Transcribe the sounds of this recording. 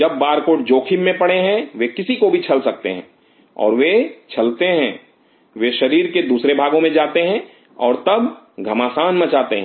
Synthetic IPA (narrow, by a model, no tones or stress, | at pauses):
d͡ʒɐb̚ːaːɾkoːʈ̚d͡ʒoːkʰimːẽpɐɽeɦɛ̃ʋekɪsikobʱit͡ʃʰɐlsɐk̚t̪ḛɦɛ̰̃ː | ɔ̰ːɾʋet͡ʃʰɐlt̪eɦɛ̃ː | ʋeʃɐɾiːɾked̪uːsɾebʱaːɡõmẽd͡ʒaːt̪eɦɛ̃ | ɔːɾt̪ɐb | ɡʱɐmaːsaːnmɐt͡ʃaːt̪eɦɛ̃